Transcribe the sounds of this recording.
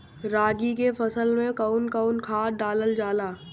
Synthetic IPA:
ɾaːɡikefɐsəlmẽkaʊnkaʊnkʰaːɖaːləld͡ʒaːlaː

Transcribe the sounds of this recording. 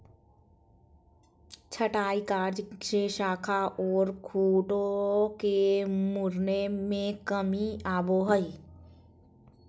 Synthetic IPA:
t͡ʃʰəʈaːikaːɾd͡ʒʃeʃaːkʰaɔːɾkʰuːʈokemʊɾnemẽkəmiaːboɦəi

